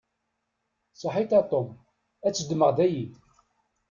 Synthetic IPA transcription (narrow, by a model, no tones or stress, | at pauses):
səħit̪ɑt̪ˤːom | æt͡sːəd̪məʁd̪æji